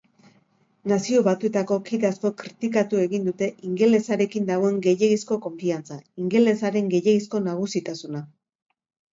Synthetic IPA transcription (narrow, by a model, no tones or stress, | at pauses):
nasio̞βat̪ue̞t̪ako̞kiðasko̞kɾit̪ikat̪ue̞ɣind̪ut̪e̞ʔiŋɡe̞le̞saɾe̞kind̪aɣ̞o̞e̞ŋɡe̞jeɣisko̞ko̞ɱfiant͡saiŋɡe̞le̞saɾe̞ŋɡe̞jeɣisko̞naɣ̞usit̪asuna